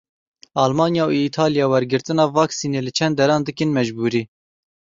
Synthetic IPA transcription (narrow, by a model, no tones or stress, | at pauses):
ɑːlmɑːnjɑːuiːt̪ʰɑːlijɑːwɛɾɡɨɾt̪ɨnɑːvɑːksiːneːlɨt͡ʃʰɛnd̪ːɛɾɑːnd̪ɨkɨnmɛʒbuːɾiː